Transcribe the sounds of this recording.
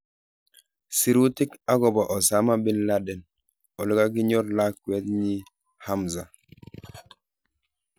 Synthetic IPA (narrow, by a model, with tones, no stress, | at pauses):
si˨ɾu˦tɪ˦ka˦ɡɔ˨bɔ˨ʔɔ˨sa˦ma˦bɪ˦nla˦dɛ˨n | ɔ˨lɪ˦ka˦ɡɪ˦ɲɔ˦ɾla˦kːwɛ˦t̪ɲi˦ | ha˦mza˨